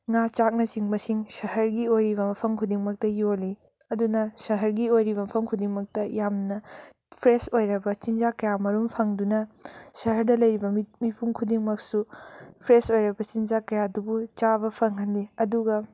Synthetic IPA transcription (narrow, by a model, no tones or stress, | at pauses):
ŋat͡ʃak̚nɐsiŋmɐsiŋsɐɦɐɾɡiojɾiβɐmɐpʰɐŋkʰudiŋmɐk̚tɐjoli | ɐdunɐsɐɦɐɾɡiojɾiβɐmɐpʰɐmkʰudiŋmɐk̚tɐjamnɐ | pʰɾesojɾɐbɐt͡ʃind͡ʒakɐjamɐɾumpʰɐŋdunɐsɐɦɐɾdɐlɐjɾibɐmmipʰuŋkʰudiŋmɐk̚supʰɾesojɾɐbɐt͡ʃind͡ʒakɐjadubut͡ʃaβɐpʰɐŋɦɐnːiɐduɡɐ